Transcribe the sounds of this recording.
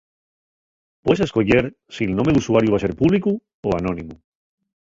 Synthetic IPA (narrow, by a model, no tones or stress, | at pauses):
pweseskoʝeɾ | sielnome̞ðusuaɾjuβas̬e̞ɾpuβliku | oanõ̞nimu